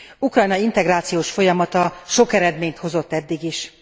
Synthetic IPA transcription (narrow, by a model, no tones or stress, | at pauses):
ukrɒjnɒint̪ɛɡɾaːt̪sijoːʃfo̞jɒmɒt̪ɒʃo̞kɛɾɛd̪meːɲt̪ho̞zo̞t̪ːɛd̪ːiɡiʃ